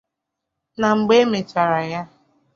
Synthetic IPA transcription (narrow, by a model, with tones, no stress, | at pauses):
na˨ŋ͡m̩˨ɡ͡be˦me˨t͡ʃa˨ɾa˨ja˦